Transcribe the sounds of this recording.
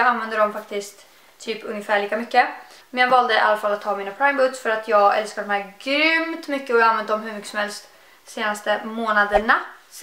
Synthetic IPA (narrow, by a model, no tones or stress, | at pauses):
ɡanvɛnd̪əd̪ɔmfak̚t̪ɪskt̪ | t̪ʰːyːpɵŋːəfæːɭiːkamʏkːə | mɛnjɑːɡvɑːld̪əɪ̰ʔa̰lːafalːat̪ʰːɑːmiːnapʰɾajmbʊt̪sfœɾat̪ʰjɑːɡɛ̰lskad̪ɔmhæːɾɡɾʏmt̪mʏkːəɔjɑɡanvɛnd̪əd̪ɔmɦɵɾmʏkːəsɔmhɛlst̪ | seːnast̪əmoːnad̪əɳa